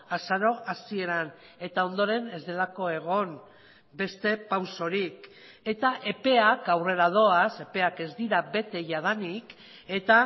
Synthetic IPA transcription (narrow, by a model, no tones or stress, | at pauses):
asaɾo̞ʔasie̞ɾan | e̞t̪ao̞nd̪o̞ɾe̞ne̞zd̪e̞lako̞e̞ɣ̞o̞n | be̞st̪e̞pawso̞ɾik | e̞t̪aʔe̞pe̞akawre̞ɾað̞o̞ase̞pe̞ake̞zd̪iɾabe̞t̪e̞ʝaðanik | e̞t̪a